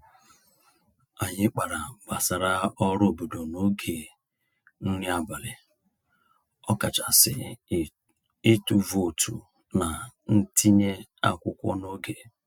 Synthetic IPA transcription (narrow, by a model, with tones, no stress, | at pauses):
a˨ɲɪ˦k͡pa˨ɾa˨ba˨sa˨ɾa˦ɔ˦ɾo˦˨bo˨do˨no˦ɡe˨ | n̩˦ni˦a˨ba˨ɾɪ˨ | ɔ˦ka˨t͡ʃa˨sɪ˨ | e˦tu˨vo˨tʰṵ˨ | na˨n̩˦ti˦ɲe˦a̰˦kʷʊ˦kʷɔ̰˦no˦ɡe˨